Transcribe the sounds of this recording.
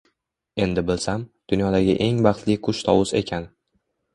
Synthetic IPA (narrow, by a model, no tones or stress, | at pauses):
e̞nd̪ɪbɪlsamd̪̥ʊnjɒd̪aɡʲɪʔe̞ŋbɑχt̪lɪqʰʊʃt̪ʰɒwʊse̞̰kʲʰan